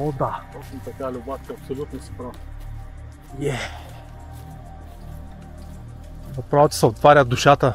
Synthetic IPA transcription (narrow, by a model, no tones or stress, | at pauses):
ɔd̪aɔt͡ʃnt̪ɐkalʲʊbat̪kəɐpsolʲut̪nosi̥pɾo | jɛ | nɐpɾavət̪o̥sɛot̪vaɾʲəd̪uʃat̪ə